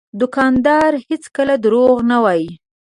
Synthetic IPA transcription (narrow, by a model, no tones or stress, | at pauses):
d̪ʊkɑnd̪ɑɾhet͡skəlad̪ɾoɣnawɑji